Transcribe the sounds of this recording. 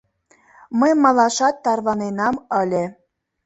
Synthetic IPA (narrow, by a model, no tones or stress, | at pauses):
məjmɑlˠɑʃɑt̪ːɑrβɑnenɑmə̆lʲĕ